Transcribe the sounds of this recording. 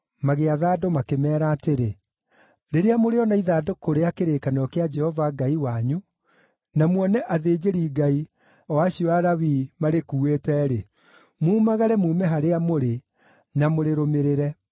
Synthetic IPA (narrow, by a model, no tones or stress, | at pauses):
maɣeaðaːdomakemɛːɾaːteɾe | ɾeɾeamoɾeɔnaiðaːdokoɾeakeɾeːkanɔkead͡ʒɛhɔvaɡaiwaɲu | namwɔnɛʔaðeːd͡ʑeɾiːɡai | ɔwaɕiɔaɾawiːmaɾekuːeːtɛɾe | muːmaɣaɾɛmuːmɛɦaɾeamoɾe | namoɾeɾomeɾeɾɛ